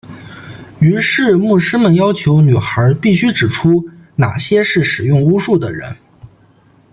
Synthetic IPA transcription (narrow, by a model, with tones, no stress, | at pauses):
y˧˥ʂɻ̩˥˧mu˥˩ʂɻ̩˥mə˨njɑ˥ʊt͡ɕʰjo˧˥ʊny˨˩xə˧˥pi˥˩ɕy˥ʈ͡ʂɻ̩˨˩ʈ͡ʂʰu˥na̰˨˩ɕjɛ˥ʂɻ̩˥˩ʂɻ̩˨˩jʊ˥˩˧ŋu˥ʂu˥˩d̪ə˩ɻə̰˧˥n